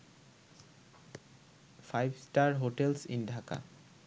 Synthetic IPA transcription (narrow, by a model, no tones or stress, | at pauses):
fʰajbsʈaɾɦoʈelsḭnɖʱaka̰